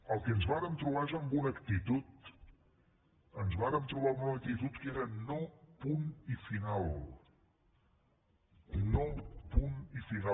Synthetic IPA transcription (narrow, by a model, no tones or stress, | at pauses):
əlˠkeənzβaɾənt̪ɾuβaʒaŋɡunəkt̪it̪ut̪̚ | ənzβaɾəmt̪ɾuβalˠɡunək̚t̪it̪ut̪keɾənɔwpunifinalˠ | nɔwpunifina